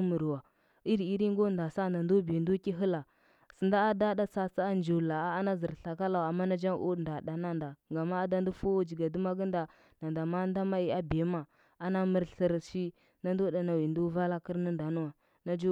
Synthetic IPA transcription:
mə˨ɾwa˨ | i˦ɾi˦ɾi˦ŋ˦ɡo˦nda˨sa˦˨nda˨ndo˦bi˨ndu˦ki˦ɦə˦la˨ | sə˨nda˦a˦da˦da˦sa˦sa˦a˦nd͡ʒo˨la˨a˦a˦na˦zə˨ɾɬa˨ka˦la˨a˨mːa˦na˦d͡ʒa˦ŋʔu˦˨nda˨da˨na˦nda˨ŋɡa˨ma˦a˦da˦ndu˦fu˦wd͡ʒi˨ɡa˨du˦ma˦ɡnda˨ | na˨nda˨ma˦n˦da˦ma˦i˦a˦bi˨e˦ma˨ | a˦na˦mə˦ɾɬə˦ɾʃi˦ | na˦ndo˦da˨na˨wi˨ndu˦va˦la˦kə˦ɾna˦nda˨nu˦wa˨ | na˦d͡ʒ

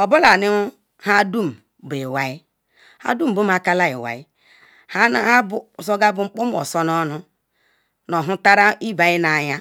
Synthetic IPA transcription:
ɔ˨bo˦la˨ni˦ | ha˦du˦˨m˨be˨wa˨i˦ | ha̰˦du˦m̩˨bu˦m˦a˨ka˦la˦ḭ˨wa̰˨i˦ | ha˦ha˦bso˦ɡa˦bu˨ŋ͡m̩˦k͡pu˦m˦ɔ̰˨sɔ˦nɔ˦nu˦ | no˨ɦu˦ta˦ɾa˦i˦ba˨i˦na˨ɲa˦

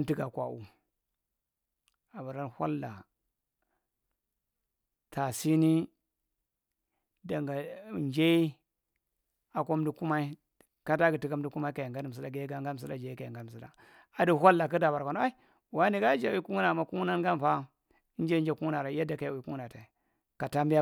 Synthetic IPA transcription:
n˦ti˦ɡa˨kʷa̰˨ṵ˨ | a˨ba˨ɾa˦nhʷa̰˦lːa˨ | tʰa˨si˦ni˦ | da˨ŋɡa˨d͡ʒe˦i˦ | a˨ko˦di˦ku˦ma˦i˦ | ka˦ta˦ɡi˨ti˦ka˦m˦di˦ku˦ma˦i˦ka˨ja˨ŋɡa˦ni˨m̩̬˨i˦da˨ɡe˦ɡa˦ŋɡa˦˨s̬i˦la̰˨d͡ʒa˨i˦ka˨a̰˨ŋɡa˦n˨m˨s̬i˦da̰˨ | a˨du˦˨hʷa˦lːa˨ka˦da˨ba˨ɾkʷa˨n˦a˦i˦ | wa˦ni˨ɡa˦d͡ʒa˨wi˦ku˦ŋu˦na˨ma˦ku˦ŋ˦na˦n˦ɡa˦n˨fa˦ | d͡ʒa˦d͡ʒa˨ku˦ŋu˦na˨ɾa˨˦a˦da˨ka˨ja˨ku˦ŋu˦na˨ta˨ | ka˨ta˦mbi˦a˦

